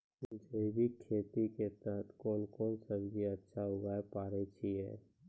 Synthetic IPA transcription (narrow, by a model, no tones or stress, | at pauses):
d͡ʒʱebʱikʰːeːt̪iket̪əɦət̪ʰkoːlkɔːnsəbɡʱiɐtːʃʰaɦʊɡaːepaːɾet͡ʃʰiɦɛ̰ː